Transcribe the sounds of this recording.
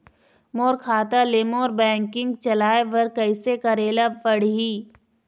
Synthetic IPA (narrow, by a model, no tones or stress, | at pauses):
moːɾkʰaːt̪aleːmoːɾbɛ̃ːŋkɪ̃ŋɡt͡ʃɐlaːeʋɐɾkɐɪsekɐɾeːlapɐɽɦiː